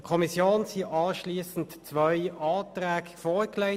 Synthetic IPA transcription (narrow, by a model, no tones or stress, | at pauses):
kʰɔmisjoːnsiʔɑːʃliːəsn̩tt͡sʋœʏɑːt̪ʁæːɡfɔːʁkleɪ